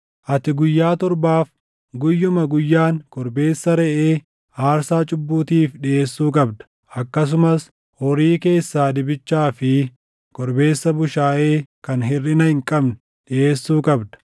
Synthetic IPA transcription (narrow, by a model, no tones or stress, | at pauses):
ʔɐt̪ɪɡʊjːaːt̪ɔɾbaːf | ɡʊjːʊmɐɡʊjːaːŋkɔɾbe̞ːsːɐɾɛʔeː | haːɾsaːt͡ʃʼʊbːuːt̪iːfɗɪʔe̞ːsːuːkʼɐbd̪ɐ̥ | ʔɐkːɐs̬ʊmɐs | hɔɾiːke̞ːsːaːd̪ɪbɪt͡ʃːaːfɪ | kɔɾbe̞ːsːɐbʊʃaːʔeːkɐnɦɪrːɪnɐhɪŋkʼɐbnʊ | ɗɪʔe̞ːsːuːkʼɐbd̪ɐ̥